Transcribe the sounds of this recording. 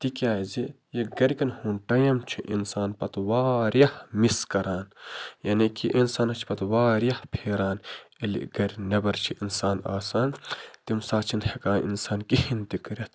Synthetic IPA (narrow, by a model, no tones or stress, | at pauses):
t̪ikjaːzi | jeɡɐɾʲkɐnhuːnʈɐjɐmt͡ʃʰiʔḭnsaːnpɐt̪waːɾjɐhmiskɐɾaːnjɐnikʰiʔinsaːnɐt͡ʃʰi̥pɐt̪waːɾjɐhpʰeːɾaːnelḭɡɐɾʲnɐbɐɾt͡ʃʰiʔinsaːna̰ːsaːnt̪imsaːt͡ʃʰinhekaːnʔḭnsaːnkihint̪ikɐɾɐt̪̚ʰ